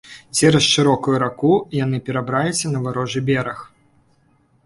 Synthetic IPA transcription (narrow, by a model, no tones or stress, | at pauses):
t͡sʲɛɾɐsʂɨɾɔkujuɾakujanɨpʲɛɾabɾalʲɪt͡sʲːɐnɐvaɾɔʐɛbʲɛɾɐx